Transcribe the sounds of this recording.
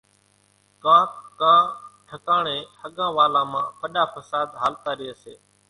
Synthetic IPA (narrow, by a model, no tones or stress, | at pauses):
kãːkkãːʈʰəkaːɳẽːhəɠãːʋaːlãːmãːpəɗaːpəsaːd̪ɦaːlt̪aːɾɪeːsḛː